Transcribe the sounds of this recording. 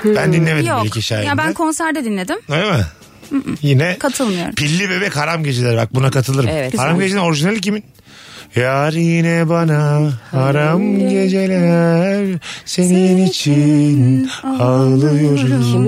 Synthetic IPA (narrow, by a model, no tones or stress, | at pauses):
bænd̪inlʲːemejoiciʃa̰jjabænkʰo̞nsæɾd̪ɛd̪inlʲe̞d̪ɪmoɾema | jinɛkʰat̪ʰɯlˠmɯjoɾpʰilʲːibe̞bɛchaɾamɟe̞d͡ʒelʲæɾbak̚bunakʰat̪ʰɯlˠɯɾɯmɛhaɾamɟed͡ʒeno̞ɾiʒinelʲic̬imin | jaɾjinɛbanahaɾamɟe̞d͡ʒe̞lʲæɾse̞ninit͡ʃʰinalˠɯjoɾusun